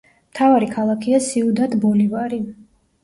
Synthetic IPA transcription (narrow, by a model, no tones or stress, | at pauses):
mt̪ʰavaɾikʰalˠakʰiasiud̪at̪bɔlivaɾi